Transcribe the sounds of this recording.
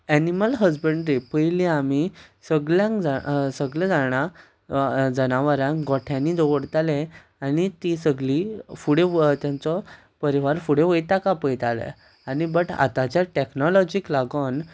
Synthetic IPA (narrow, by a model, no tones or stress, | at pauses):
æniməlɦəd͡zbəɳɖɾipəjiliamisəɡljãŋkd͡zasəɡlẽd͡zaɳ̃a | d͡zənaʋəɾãŋkɡɔʈʰjãnid͡zɔʋəɽt̪alẽ | añit̪isəɡlifuɽet̪jãnt͡sɔ | pəɾiʋaɾfuɽẽʋəjt̪akapəjt̪alɛ̰ | anibəʈa̰t̪at͡ɕjaʈeknɔlɔd͡ʑiklaɡən